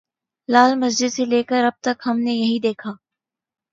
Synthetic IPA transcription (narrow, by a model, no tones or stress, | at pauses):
laːlmɐzd͡ʒɪd̪seleːkəɾɐb̚t̪ɐkɦɐmnejɐɦĩd̪eːkʰaː